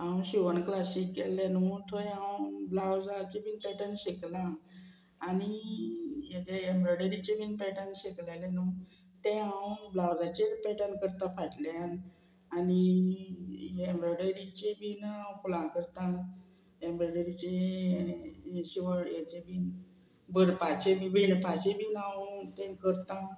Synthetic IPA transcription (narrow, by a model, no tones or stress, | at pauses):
ãwɕiʋəɳklasikːelːenut̪ʰojãwblawd͡zat͡ɕebiːnpɛʈənɕeklãː | ni | jat͡ɕeembɾəɽəɾit͡ɕebiːnpɛʈənɕeklalenu | t̪ẽɦãwblawd͡zat͡ɕepɛʈəlkəɾt̪ãpʰaʈljan | ani | ẽmbɾəɽəɾit͡ɕebiːnpulãkəɾt̪ã | embɾəɽəɾit͡ɕe | ɕiʋəɽjat͡ɕebiːn | bəɾpat͡ɕemiʋiɳpat͡ɕebinãwt̪ẽkəɾt̪ã